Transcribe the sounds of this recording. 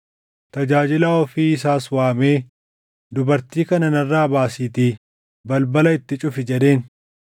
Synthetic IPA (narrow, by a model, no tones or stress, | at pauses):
tt̪ɐd͡ʒaːd͡ʒɪlaːɔfiːɪsaːswaːmeː | d̪ʊbɐɾt̪iːkɐnɐnɐrːaːbaːsiːt̪iː | bɐlbɐlɐɪt̪ːɪt͡ʃʼʊfɪd͡ʒɛd̪e̞ːn